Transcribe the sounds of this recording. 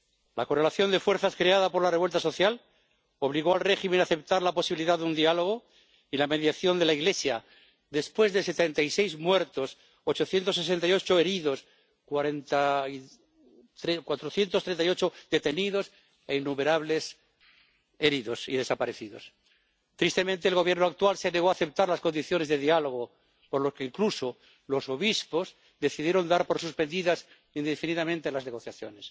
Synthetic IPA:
lako̞re̞laθjo̞nd̪e̞fwe̞ɾθaskɾeaðapo̞ɾlareβwe̞lt̪aso̞θjal | o̞β̞liɣo̞alre̞ximenaθe̞p̚t̪aɾlapo̞siβiliðaðund̪ialo̞ɣ̞o̞ | ilame̞ðjaθjo̞nd̪e̞laiɣle̞sja | d̪e̞spwe̞zðese̞t̪e̞nt̪ajse̞jzmwe̞ɾt̪o̞s | ot͡ʃo̞θje̞nt̪osːe̞s̬e̞nt̪ajo̞t͡ʃoe̞ɾiðo̞s | kwaɾent̪a | t̪ɾekwat̪ɾoθje̞nt̪ost̪ɾe̞nt̪ajo̞t͡ʃo̞d̪e̞t̪e̞niðo̞s | einːume̞ɾaβle̞s | e̞ɾiðo̞sḭðesapaɾe̞θiðo̞̰s | t̪ɾist̪e̞mẽnt̪eːlɣo̞βjeɾnoak̚t̪walseneɣo̞aθe̞p̚t̪aɾlasko̞nd̪iθjo̞ne̞zðe̞ðialo̞ɣ̞o | poɾlo̞keiŋkluso | lo̞so̞βispo̞z | ðe̞θiðje̞ɾo̞nd̪aɾpo̞ɾsuspe̞nd̪iðas | ind̪efiniðamẽnt̪e̞lazne̞ɣ̞o̞θjaθjone̞s

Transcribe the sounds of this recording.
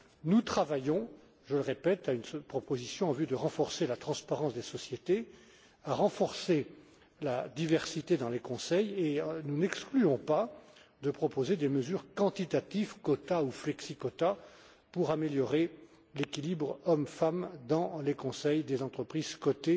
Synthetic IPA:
nut̪χavajɔ̃ | ʒələʁepɛt̪aynspχɔpozisjɔ̃ɑ̃vyd̪əʁɑ̃fɔʁselat̪χɑ̃spaʁɑ̃sd̪esɔsjet̪e | aʁɑ̃fɔʁse | lad̪ivɛʁsit̪ed̪ɑ̃lekɔ̃sɛjenunɛksklyɔ̃pad̪əpχɔpozed̪eməzyʁkɑ̃t̪it̪at̪ivkɔt̪auflɛksikɔt̪a | puʁameljɔʁe | lekʲilibʁɔmfamd̪ɑ̃lekɔ̃sɛjd̪ezɑ̃t̪χəpχiz̥kɔt̪e

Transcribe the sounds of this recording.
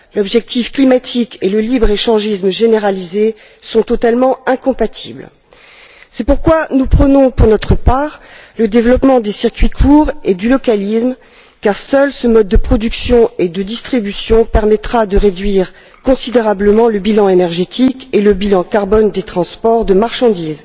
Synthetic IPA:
lɔbʒɛk̚t̪ifklimat̪ʰikeləlibʁeʃɑ̃ʒismʒeneʁalize | sɔ̃t̪ɔt̪almɑ̃ɛ̃kɔ̃pat̪ʰḭbl | sɛpuʁkwanupχənɔ̃puʁnɔt̪χəpaʁləd̪evlɔpmɑ̃d̪esiʁkʲɥikʰuʁed̪ylɔkalism | kaʁsœlsəmɔd̪̚ːəpχɔd̪yksjɔ̃ed̪əd̪ist̪χibysjɔ̃pɛʁmɛt̪χad̪əʁed̪ɥiʁ | kɔ̃sid̪eʁabləmɑ̃ləbilɑ̃enɛʁʒet̪ikeləbilɑ̃kaʁbɔnd̪et̪χɑ̃spɔʁd̪əmaʁʃɑ̃d̪iːz

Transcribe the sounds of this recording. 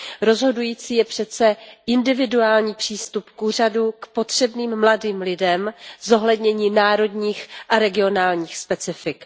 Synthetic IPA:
ɾo̞zɦo̞dujiːt͡siːjɛpr̝̥ɛt̪t͡sɛʔɪndɪvɪduaːlɲiːpr̥iːst̪upkuːr̝adukpo̞t̪r̝̥ɛbniːmmladiːmlɪdɛmzo̞ɦlɛdɲɛɲiːnaːɾo̞dɲiːxʔaɾɛɡɪo̞naːlɲiːxspɛt͡sɪfɪk

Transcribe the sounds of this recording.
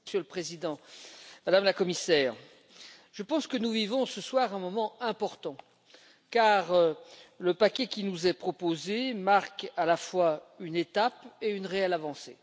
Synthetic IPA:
sjøləpχezid̪ɑ̃mad̪amlakɔmisɛːʁ | ʒ̥əpɑ̃skənuvivɔ̃səswaʁɛ̃mɔmɑ̃ɛ̃pɔʁt̪ɑ̃ | kaʁ | ləpakʲɛkʲinuzɛpχɔpozemaʁkalafwaynet̪apeynʁeɛlavɑ̃sḛ

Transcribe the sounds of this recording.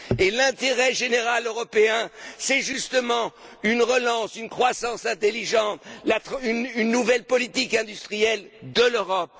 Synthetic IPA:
elɛ̃t̪eʁɛʒeneʁaløʁɔpeɛ̃sɛʒyst̪əmɑ̃ynʁəlɑ̃synkχwasɑ̃sɛ̃t̪elːiʒɑ̃t̪lat̪ynynːuvɛlpɔlit̪ikɛ̃d̪yst̪χijɛld̪əløʁɔp̚

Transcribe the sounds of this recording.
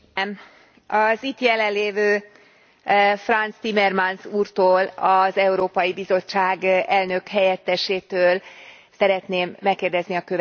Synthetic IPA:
ɒzit̪jɛlɛnleːvøː | frɒnt̪st̪imɛrmansuːrt̪oːlɒzɛuɾoːpɒjibizo̞t͡ʃːaːɡɛlnø̞khɛjɛt̪ːɛʃeːt̪øːl | sɛɾɛt̪neːmːɛkːeːrd̪ɛzniɒkøv

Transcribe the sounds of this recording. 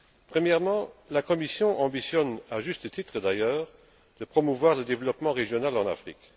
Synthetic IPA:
pχəmjɛʁmɑ̃lakɔmisjɔ̃ʔɑ̃bisjɔnaʒyst̪ət̪it̪χəd̪ajœːʁ | d̪̥əpχɔmuvwaʁləd̪evlɔpmɑ̃ʁeʒjɔnalɑ̃na̰fχḭk

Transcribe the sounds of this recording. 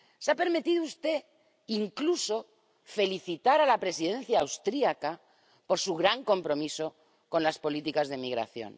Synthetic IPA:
seape̞ɾmet̪iðoust̪e̞ | iŋkluso̞ | fe̞liθit̪aɾalapɾe̞sið̞ẽ̞nθjaːwst̪ɾiaka | po̞ɾsuɣɾaŋko̞mpɾo̞miso̞ | kõ̞nlaspo̞lit̪ikazðemiɣ̞ɾa̰θjo̞̰n

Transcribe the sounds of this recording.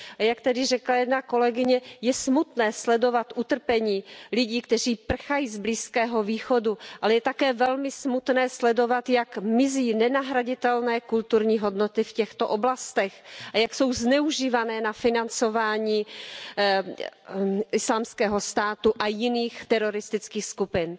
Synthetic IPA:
jakt̪ɛdɪrɛklajɛdnako̞lɛɡɪɲɛjɛsmut̪nɛːslɛdo̞vat̪ʔut̪r̩pɛɲiːlɪɟiːkt̪ɛr̝iːpr̩xajiːzbliːskɛːɦo̞viːxo̞duʔalɛjɛt̪akɛːvɛlmɪsmut̪nɛːslɛdo̞vat̪jakmɪziːnɛnaɦɾaɟɪt̪ɛlnɛːkult̪uɾɲiːɦo̞dnot̪ɪfcɛxt̪oʔoblast̪ɛxʔajakso̞wznɛuʒiːvanɛːnafɪnant͡so̞vaːɲiː | ʔɪslaːmskɛːɦo̞st̪aːt̪uʔajɪniːxt̪ɛɾo̞ɾɪst̪ɪt͡skiːxskupɪn

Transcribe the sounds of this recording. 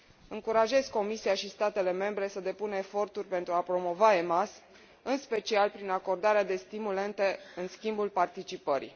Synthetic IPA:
ɨŋkuɾaʒe̞zko̞misiaʃist̪at̪e̞le̞me̞mbɾe̞səd̪e̞punəefo̞rt̪urʲpe̞nt̪ɾuapɾo̞mo̞vaemas | ɨnspe̞t͡ʃialpɾinako̞rd̪aɾead̪e̞st̪imule̞nt̪e̞ɨnskʲimbulpart̪it͡ʃipəɾḭ

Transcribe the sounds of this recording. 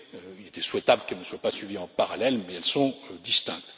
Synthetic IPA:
øiled̪eswɛt̪ablkɛlnəswapasɥiviɑ̃paʁalɛlmɛɛlsɔ̃ød̪ist̪ɛ̰̃k̚t̪

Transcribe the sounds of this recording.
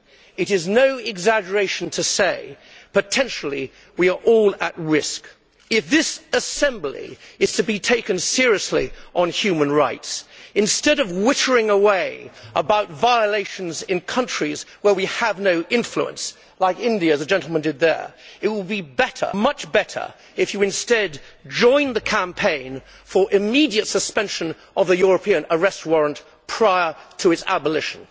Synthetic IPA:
ɨɾɨznoʊɪɡzæd͡ʒə˞eɪʃn̩tʰɨseɪpɨtʰɛ̃nʃl̩ˠi | wiə˞ʔɔlˠət̚ɹɪsk | ɪfðɪsɨsɛ̃mblḭɨz̥tʰɨbitʰeɪkɨ̃nsɪɹiɨslḭʔə̃nhjʉmɨ̃nɹaɪtsɨ̃nstɛɾʌvwɪɾə˞ɪ̃ŋəweɪʔəbaʊtvaɪəleɪʃn̩zɨ̃nkʰʌ̃nt͡ʃɹ̥izwə˞wiəvnoʊʔɪ̃ɱflṵə̰̃ns | laɪkɪ̃ndiɨzɨd͡ʒɛ̃ntˡl̩ˠmə̃ndɨd̪̚ðə̰˞ɨt̚wəlˠbibɛɾə̰˞mʌt͡ʃb̥ɛɾə̰˞ | ɨfjɨɨ̃nstɛdd͡ʒɔ̃ɪ̃nðɨkʰæ̃mpʰẽɪ̃n | fə˞ʔɨmiɾiɨtsɨspɛ̃nʃɨ̃n | ʔʌvðɨjʊɹɨpʰĩɨ̃nə˞ɛst̚wɔɹə̃nt | pʰɹ̥aɪə˞ɾʰɨɨtsæ̰bəlɪʃn̩

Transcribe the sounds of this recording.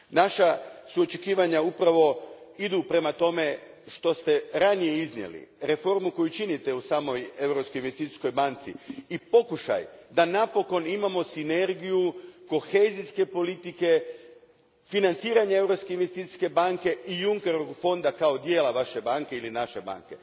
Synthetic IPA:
naʃasuo̞t͡ʃe̞kiːʋaɲaupɾaʋo̞id̪upɾe̞mat̪o̞me̞ | ʃt̪o̞st̪e̞ɾanijeiznje̞̰lḭɾe̞fo̞ɾmuko̞jut͡ʃinit̪e̞usaːmo̞je̞wɾo̞pskoinʋest̪it̪i̥sko̞jbant̪siipo̞kuʃa̰jd̪anapo̞ko̞nimamo̞sine̞ɾɡijuko̞xe̞ziske̞po̞lit̪ike̞ | finant̪siːɾaɲee̞wɾo̞pske̞inʋest̪it̪i̥ske̞baŋke̞ijuŋke̞ɾoɡfo̞nd̪akao̞d̪je̞ːlˠaʋaʃe̞baŋkeilinaʃe̞ba̰ŋke̞̰

